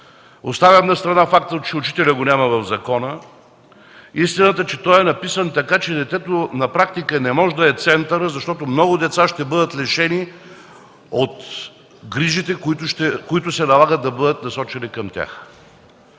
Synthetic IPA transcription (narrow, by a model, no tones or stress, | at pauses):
ost̪avʲəmnɐst̪ɾɐnafak̚t̪ət͡ʃɛʊt͡ʃi̥t̪ɛlʲəɡonʲaməvɐvzɐkɔnə | ist̪inət̪ət͡ʃɛt̪ɔjɛnɐpisənt̪ɐkat͡ʃɛd̪ɛt̪ɛt̪onɐpɾak̚t̪ikənɛmɔʒɛd̪ɐɛt̪sɛnt̪əɾəzɐʃt̪ɔt̪omnɔɡʊd̪ɛt̪saʃt̪ɛbɤd̪ət̪lɛʃɛni | ot̪ | ɡɾiʒit̪ɛkʊit̪ʊʃt̪ɛkoit̪ʊsɛnɐlˠaɡət̪̚ːɐbɤd̪ət̪̚nɐsɔt͡ʃɛnikɐmt̪ʲa̰x